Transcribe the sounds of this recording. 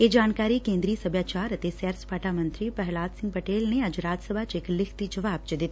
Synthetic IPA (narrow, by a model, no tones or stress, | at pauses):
eːd͡ʒaːnkaːɾikẽːnd̪ɾiːsɐbʱjaːt͡ʃaːɾɐt̪esɛːɾspaːʈamɐ̃nt̪ɾipɐɦlaːd̪sɪ̃ŋɡ̚pɐʈeːlneɐd͡ʒɾaːd͡ʒsɐbʱat͡ʃɪklɪkʰt̪id͡ʒɐʋaːb̚t͡ʃəd̪ɪt̪i